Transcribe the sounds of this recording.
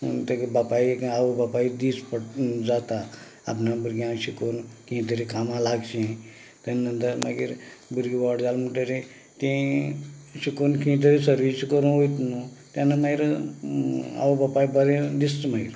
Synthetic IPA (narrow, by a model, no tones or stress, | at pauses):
ṵnt̪əɡibapaiaʋobapaid̪ispəɽd͡zat̪a | a̰pnãbuɾɡjãɕikoːnkĩt̪əɾikʰamãlaɡt͡ʃĩ | t̪aninənt̪əɾmaɡḭɾbuɾɡiʋɔʈd͡zaːlmuʈəɾẽ | t̪ẽ | ɕikonkĩːt̪̬əɾisəɾʋiskəɾũɦojt̪nut̪jãnamaiɾ | a̰ʋobapaibəɾẽd̪ist̪maḭɾ